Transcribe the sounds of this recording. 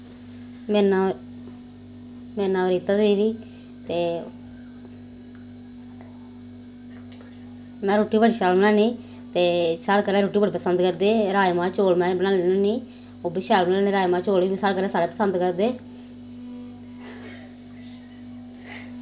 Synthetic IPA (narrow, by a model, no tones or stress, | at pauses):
mɛːnãː | mɛ̃ːnãːʋəɾiːt̪aːd̪eːʋiː | t̪eː | mɛ̃ːɾoːʈiːbəɽiːʃaːlmnɛːnĩː | t̪eːsaːlkəɾɛ̃ːɾoːʈiːbəɽiːpəsənd̪kəɾd̪eːɾaːjmãːt͡ʃoːlmɛ̃ːbənaːlenõniː | oːbiːʃaːlmnaːnẽːɾaːjmãːt͡ʃoːliːsaːlkəɾɛ̃ːsaːɽeːpəsənd̪kəɾd̪eː